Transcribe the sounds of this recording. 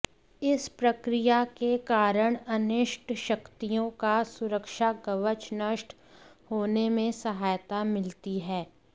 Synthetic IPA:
ɪspɾɐkɾijakekaːɾəɽ̃ɐnɪʃʈʃɐkt̪ijõkasʊɾəkʃaɡɐʋət͡ʃnəʃʈ | hoːnemẽsɐɦaːjt̪amɪlt̪iɦɛː

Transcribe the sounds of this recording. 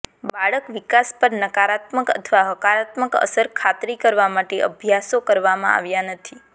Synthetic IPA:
baɭəkʋikaspəɾnəkaɾat̪məkə̰t̪ʰʋaɦəkaɾat̪məkə̰səɾkʰat̪ɾikəɾʋamaʈeʔə̰bʱjasokəɾʋamãa̰ʋjanət̪ʰi

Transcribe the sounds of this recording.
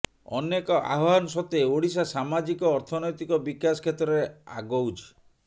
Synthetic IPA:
ɔ̰nekɔʔa̰ɦanɔsɔt̪eoɽisasamad͡ʒikɔːɾt̪ʰɔnɔjt̪ikɔbikasɔ̥kʰet̪ɾɔɾea̰ɡowd͡ʒ

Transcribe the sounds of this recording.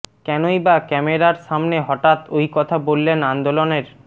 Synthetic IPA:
kɛnojbakɛmeɾaɾʃamneɦɔʈat̪ojkɔt̪ʰabolːenand̪oloneɾ

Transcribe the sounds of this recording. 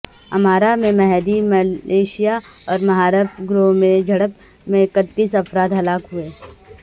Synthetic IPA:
ɐ̰maːɾamẽmɛɦd̪imɐlʔeːʃijaɔːɾmɐɦaːɾəbɡɾomẽd͡ʒʱɐɽəp | mẽkət̪ːiːsɐfɾaːd̪ɦɐlaːkɦueː

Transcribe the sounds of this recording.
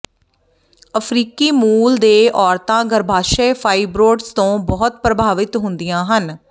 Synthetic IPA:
əpʰɾiːkiːmuːld̪eːʔɔːɾt̪ãːɡəɾbʱaːʃɛːpʰaːiːbɾoːɖst̪õːbɔːʊt̪̚pɾəbʱaːʋɪt̪ɦʊnd̪ijãːɦən

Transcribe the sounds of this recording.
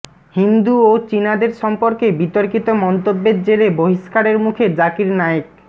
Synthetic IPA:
hind̪uot͡ɕinad̪eɾʃɔmpoɾkebit̪oɾkit̪omɔnt̪obːeɾd͡ʑeɾeboɦiʃkaɾeɾmukʰed͡ʑakiɾnajok̚

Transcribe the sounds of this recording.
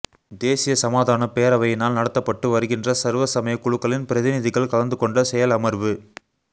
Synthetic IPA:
d̪eːsɪjɐsɐmaːðaːnɐpeːɐɾɐʋɐjɪnaːlnɐɽɐt̪ːɐpːɐʈːɯʋɐɾɯɣɪndrɐsɐɾʋɐsɐmɐjɐkːʊɻʊkːɐɭɪnpɪɾɐðɪnɪðɪɣɐɭkɐɭɐnd̪ɯkɔɳɖɐsɛjɐlɐmɐɾʋɯ

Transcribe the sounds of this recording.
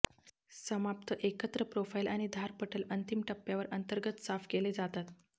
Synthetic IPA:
səmap̚t̪ʰəʔekət̪ɾəpɾofailaɽ̃id̪ʱaɾpəʈʰələnt̪imʈəpːjaʋəɾʔənt̪əɾɡət̪safkeled͡zat̪at̪

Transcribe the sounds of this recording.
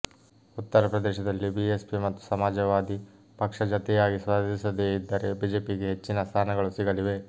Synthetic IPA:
ut̪ːɐɾɐpɾɐd̪eːʃɐd̪ɐlːibiespimɐt̪ːu̥sɐmaːd͡ʒɐʋaːd̪i | pɐkʂɐd͡ʒɐt̪ɛjaːɡisʋaːd̪ʱisɐd̪eːid̪ːɐɾe̞biːd͡ʒe̞ːpiɡe̞ɦe̞t͡ʃːinɐst̪ʰaːnɐɡɐɭusiɡɐliʋe̞

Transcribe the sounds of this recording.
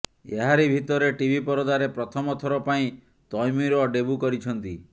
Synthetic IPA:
ḛɦaɾibʱit̪ɔɾeʈibʱipɔɾɔd̪aɾepɾɔt̪ʰɔmɔt̪ʰɔɾɔpaĩ | t̪ɔjmiɾɔɖebukɔɾit͡ʃʰɔnt̪i

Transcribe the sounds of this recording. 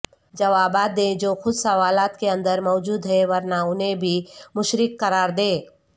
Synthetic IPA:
d͡ʒɐʋaːbaːd̪ẽd͡ʒoːxʊd̪sɐʋaːlaːt̪keɐ̃nd̪əɾmɔːd͡ʒuːd̪ɦɛʋɐɾnaʊnɦẽbʱimʊʃɾɪkːɐɾaːɾd̪eː

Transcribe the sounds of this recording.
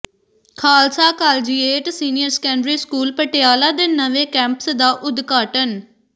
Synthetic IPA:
kʰaːlsaːkaːld͡ʒiːeːʈsiːnɪjəɾskɛ̃ːɳɖɾiːskuːlpəʈejaːlaːd̪eːnəʋẽːkɛ̃ːmpsd̪aːʔʊd̪ɡaːʈən

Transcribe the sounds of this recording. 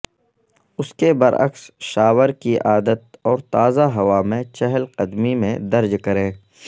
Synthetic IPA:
ʊskebɐɾɐ̰ksʃaːwəɾkiʔaːd̪ət̪̚ɔːɾt̪aːzaɦɐʋaːmẽt͡ʃɛɦəlqɐd̪mimẽd̪ɐɾd͡ʒkɐɾẽː

